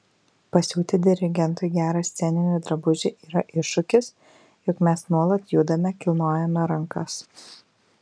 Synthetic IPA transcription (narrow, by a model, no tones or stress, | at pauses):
pɐsʲuːt̪ʲɪd̪ʲɪɾʲɪɡʲɛnt̪ʊɪɡʲæːɾɐsʲt̪sʲɛnʲɪnʲʊːd̪ɾɐbʊʒʲɪʔiːɾɐʔɪʃːʊkʲɪs | jʊkmʲɛsnuɔlˠɐt̪juːd̪ɐmʲɛkʲɪlˠnoːjɛnɐɾɐŋkɐs